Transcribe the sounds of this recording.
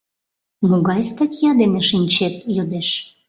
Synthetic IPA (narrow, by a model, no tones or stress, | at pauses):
moɣɑjst̪ɑtʲjɑd̪eneʃinʲt͡ɕet̪̚jød̪eʃ